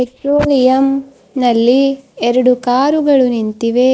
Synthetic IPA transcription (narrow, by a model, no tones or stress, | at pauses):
peʈɾoːlijɐm | nɐlːiɛɾɐɽukaːɾuɡɐɭunint̪iʋe